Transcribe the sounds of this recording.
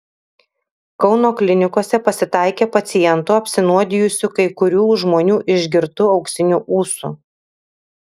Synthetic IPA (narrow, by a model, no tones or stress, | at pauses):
kɒʊnoːklʲɪnʲɪkoɔsʲɛpɐsʲɪt̪ɑˑɪkʲeːpɐt̪sʲɪjɛnt̪ʊɐpʲsʲɪnuɔd̪ʲɪjʊsʲʊkɐɪkʊɾʲuːʒmoːnʲuːʔɪʒʲɡʲɪɾt̪ʊɒʊksʲɪnʲuːʔuːsṵ